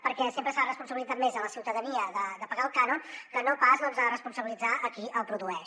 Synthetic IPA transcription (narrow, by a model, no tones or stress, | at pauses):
pəɾkɛsempɾəsarəspunsəβilidd͡zat̪mezələsiwt̪əðəniəðəd̪əpəɣaəlˠkanonkənopasnoəmzarəspunsəβilid͡zaʔəkiʔəlˠpɾuðuɛ